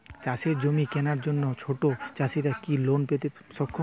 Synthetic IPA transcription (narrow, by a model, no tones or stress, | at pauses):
t͡ɕaʃeɾd͡ʑomikɛnaɾd͡ʑonːot͡ɕʰoʈot͡ɕaʃiɾakilonpet̪e | ʃɔkkʰːo